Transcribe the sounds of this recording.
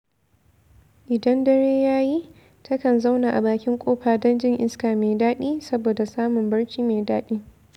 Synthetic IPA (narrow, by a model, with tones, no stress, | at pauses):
ʔɪ˨dɐ˦ndɐ˦ɽeː˦jaː˦ji˦ | tɐ˦kɐ˨nza˦wna˨ʔa˨baː˨kʲɪ˦ŋkʷʼoː˦ɸaː˨dɐ˦nd͡ʒɪ˦ŋʔɪ˦skaː˨meː˨daː˦ɗiː˦sɐ˦boː˨da˨saː˦mʊ˨mbɐ˦ɽt͡ʃiː˦meː˨daː˦ɗiː˦